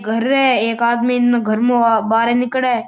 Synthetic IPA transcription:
ɡʱəɾːɛːeːkaːd̪minːɡʱəɾmõbaːɾenɪkɽeː

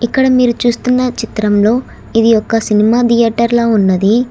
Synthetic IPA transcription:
ikːɐɽɐmiːɾut͡ʃuːst̪unːɐt͡ʃit̪ɾɐmlo̞ː | id̪ijɔkːɐsinimaːd̪ijaːɾʈɐɾlaːunːɐd̪i

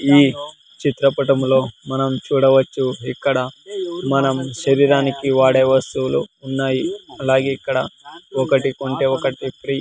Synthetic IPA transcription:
iː | t͡ʃit̪ɾɐpɐʈɐmlo̞ːmɐnɐmt͡ʃuːɽɐʋɐt͡ʃːuikːɐɽɐmɐnɐmʃɐɾiːɾaːnikiʋaːɽeːʋɐst̪ulṵːnːaːjiɐlaːɡeːikːɐɽɐɔkɐʈikoɳʈeːɔkɐʈipɾi

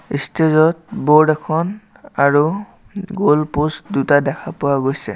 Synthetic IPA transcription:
istezɔt̚bɔdɛkʰɔn | aɹu | ɡolpostdutadɛkʰapʊwaɡojsɛ̰

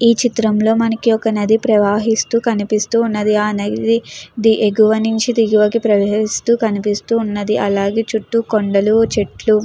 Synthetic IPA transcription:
iːt͡ʃit̪ɾɐmlo̞ːmɐnɐkiɔkɐnɐd̪ipɾɐʋaːɦist̪uːkɐnipist̪uːnːɐd̪iaːnɐɡd̪id̪iʔeɡuʋɐniɲt͡ʃid̪iɡuʋɐkipɾɐʋeːɦist̪uːkɐnipist̪uːnːɐd̪iʔɐlaːɡe̞ːt͡ʃuʈːukoɳɖɐlut͡ʃeʈlu

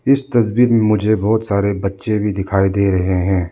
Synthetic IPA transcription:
ɪst̪ɐsbiːɾmẽmʊd͡ʒʱebɔːt̪saːɾebɐtːʃebʱid̪ɪkʰaːid̪eːɾɐɦeɦɛ̃ː

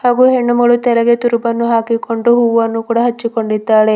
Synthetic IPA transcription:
haːɡuɦeɳːɐmuɭut̪ɛlɐɡet̪uɾubɐnːuɦaːkikoɳɖuɦuːʋʋɐnːukuːɽɐɦɐt͡ʃːikoɳɖid̪ːaːɭe

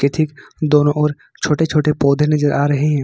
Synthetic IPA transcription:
ket̪ʰikd̪oːnõʔɔːɾ | t͡ʃʰoːʈet͡ʃʰoːʈepɔːd̪ʱenɐzəɾʔaːɾɐɦeɦɛ̃ː

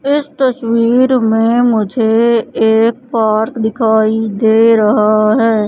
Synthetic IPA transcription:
ɪst̪ɐswiːɾmẽmʊd͡ʒʱeeːk̚paːɾkd̪ɪkʰaːid̪eːɾɐɦaɦɛː

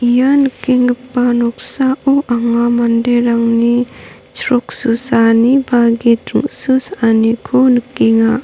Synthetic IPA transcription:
ijanəkːiŋɡəpːanɔk̚saʔuʔaŋamandeɾaŋni | sɾɔk̚susanibaɡitɾɯŋsusanikʰonəkːiŋa

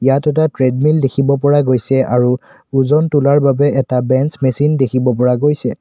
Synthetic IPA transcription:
ijatɛtatɹɛdmildekʰibɔp̬ɔɹaɡojsɛʔaɹu | uzɔntulaɹbabɛɛtabɛnsmesindekʰibɔp̬ɔɹaɡojsɛ

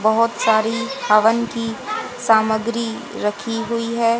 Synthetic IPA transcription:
bɐɦʊt̪saːɾibaʋənkisaːməɡɾi | ɾɐkʰiɦʊiɦɛː

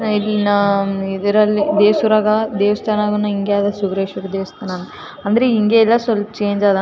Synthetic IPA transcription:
ilinaid̪ɐɾɐlːid̪eːsuɾaːɡɐd̪eːʋɐst̪ʰaːnaːɡɐnːɐiŋɡejaːd̪ɐsuɡɾeːʃʋuɾɐd̪eːʋɐst̪ʰaːnan | ɐnd̪ɐɾeiŋɡeːɛlːasɐlt͡ʃeːɲd͡ʒaːd̪a

